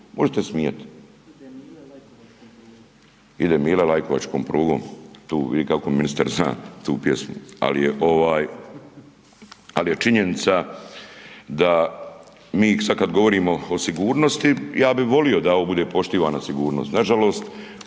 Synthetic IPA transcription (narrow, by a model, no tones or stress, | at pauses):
mʔo̞ʒet̪e̞smijet̪i̥ | id̪emiːlalajkoʋa̰t͡ʃkoːmpɾuːɡoːmt̪uːʋḭd̪ikakominist̪aɾzna̰ːt̪uːpjesmua̰lijeʔo̞ʋaːj | alije̞t͡ʃiɲe̞nit̪sa | d̪a | miːsad̪̚kad̪ɡo̞ʋo̞ɾiːmo̞osiɡuːɾno̞st̪ijaːbiʋo̞lio̞d̪aoːbud̪e̞ːpo̞ʃt̪iːʋaːnasiɡuːɾnoːst̪naʒalo̞ːst̪